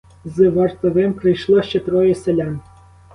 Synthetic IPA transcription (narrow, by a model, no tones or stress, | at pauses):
zɨʋɐrt̪ɔʋɪmpɾɪjʃlˠɔʃt͡ʃɛt̪ɾɔjɛselʲan